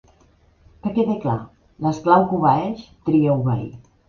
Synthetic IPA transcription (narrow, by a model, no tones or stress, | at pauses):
kəkeðekla̰ | ləsklawkuβaɛʃt̪ɾiəuβɛ̰j